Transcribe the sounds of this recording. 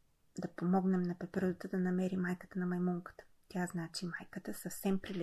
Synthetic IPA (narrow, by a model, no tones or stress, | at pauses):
d̪ɐpomɔɡnɛmnɐpɛpɛɾd̪ət̪əd̪ɐnɐmɛɾimajkət̪ənɐmɐjmuŋkə̥t̪ə̥ | t̪ʲaznat͡ʃimajkət̪əsɐfsɛmpɾilɛ